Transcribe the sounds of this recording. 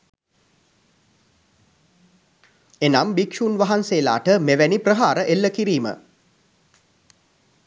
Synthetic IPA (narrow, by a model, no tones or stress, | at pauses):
enambikʃuːnʋaɦanseːla̰ːʈəmeʋæniprəɦaːɾəʔelːəkiɾiːmə̰